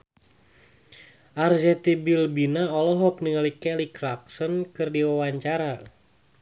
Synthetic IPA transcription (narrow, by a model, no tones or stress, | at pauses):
ʔarzɛt̪ibilbinaɔlɔɦɔk̚nəŋəlikɛlikraksɔnkɨrdiwawaɲt͡ʃaɾa